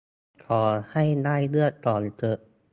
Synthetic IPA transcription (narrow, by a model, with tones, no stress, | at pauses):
kʰɔː˩˦ha˥˩jdaː˥˩jlɯ˥˩ək̚t̪ɔː˨˩nt͡ɕɤ˧˩ʔ